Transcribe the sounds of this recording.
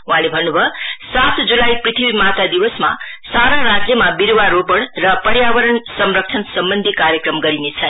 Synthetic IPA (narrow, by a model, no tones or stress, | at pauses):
ũɦãlebʱʌnːubʱʌsat̪d͡zulajprit̪ʰibimat̪ad̪iwʌsma̰ | saɾaɾad͡zjʌmabiɾwaɾopʌɳrʌpʌɾjabʌɾʌɳsʌmɾʌk̚t͡sʰʌnsʌmbʌnd̪ʱikaɾjʌkrʌmɡʌɾinet͡sʰʌ